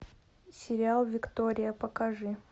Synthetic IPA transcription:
sʲɪɾʲɪalˠvʲɪkt̪oɾʲɪjəpəkɐʐɨ

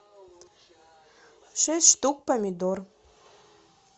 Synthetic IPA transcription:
ʃesʃt̪uk̚pamʲid̪or

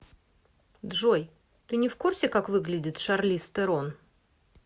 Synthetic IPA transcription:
d̪ʐoj | t̪ɨnʲɪfkursʲɪkakvɨɡlʲɪdʲɪt̪ʂarlʲist̪ɨɾon

